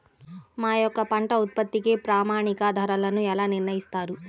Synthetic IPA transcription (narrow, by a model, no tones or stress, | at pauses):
maːjɔkːɐpɐɳʈɐut̪̚pɐt̪ːikepɾaːmaːɳikɐd̪ʱɐɾɐlɐnuɛlaːniɾnɐjist̪aːɾu